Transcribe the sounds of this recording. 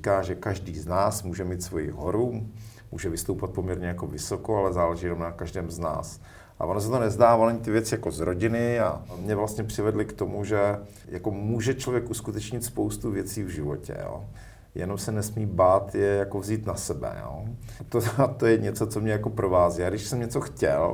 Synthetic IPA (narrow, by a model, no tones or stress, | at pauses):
ikaːʒɛkaʒdiːznaːsmuːʒɛmiːt̪svo̞jɪ̰ɦoɾu | mṵːʒɛvɪst̪owpat̪̚po̞mɲɛɾɲɛjako̞vɪso̞koalɛzaːlɛʒijɛnomnakaʒdɛːmzna̰ːs | ʔa̰ʔonosɛt̪onɛzdaːvonɲɪt̪ɪvjɛt͡sɪjako̞zɾoɟɪnɪa̰mɲɛvlast̪ɲɛpr̝̥ɪvɛdlɪkt̪o̞muʒɛ | jako̞muːʒɛt͡ʃlovjɛkʔuskut̪ɛt͡ʃɲɪt̪spowst̪uvjɛt͡siːvʒɪvo̞̰cɛ̰jo̰ | jɛ̰nomsɛnɛsmiːbaːt̪jɛjako̞vziːt̪nasɛbɛ̰jo̰ | t̪ot̪ojɛɲɛt͡so̞t͡somɲɛjakopɾovaːziːaɡdɪʃsɛmɲɛt͡soxcɛ̰l